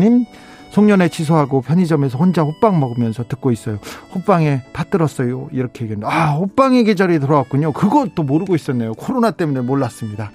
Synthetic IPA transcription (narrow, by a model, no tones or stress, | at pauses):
ɲim | sʰoŋɲʌne̞t͡ɕʰis̬ʰoɦaɡopʰjʌɲid͡ʑʌme̞s̬ʰʌond͡ʑaɸop͈aŋmʌɡɯmjʌnsʰʌtɯk͈̚ois͈ʌjoɸop͈aŋe̞pat͈ɯɾʌs͈ʌjoiɾʌkʰeeɡendeahop͈aŋeɡed͡ʑʌɾitɯɾʌwak͈uɲokɯɡʌt͈omoɾɯɡois͈ʌnːejokʰoɾonat͈e̞mune̞moɭːas͈ɯmɲida